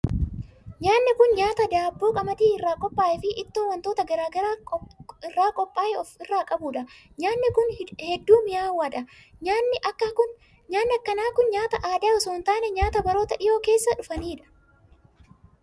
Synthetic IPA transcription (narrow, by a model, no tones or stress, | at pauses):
ɲaːnːɪkʊnɲaːt̪ɐd̪aːbːoːkʼɐmɐd̪iːɪrːaːkʼɔpʼːaːʔɛfɪʔɪt̪ːoːwɐnt̪oːt̪ɐɡɐɾaːɡɐɾaːɪrːaːkʼɔpʼːaːʔɛɔfɪrːaːkʼɐbuːᶑɐ | ɲaːnːɪkʊnhɛd̪ːuːmɪjaːwːɐᶑɐ | ɲaːnːɪʔɐkːɐkʊn | ɲaːnːɪɐkːɐnaːkʊnɲaːt̪ɐʔaːd̪aːɔsoːnt̪aːnɛɲaːt̪ɐbɐɾo̞ːt̪ɐʔɪjo̞ːke̞ːsːɐᶑʊfɐniːᶑɐ̥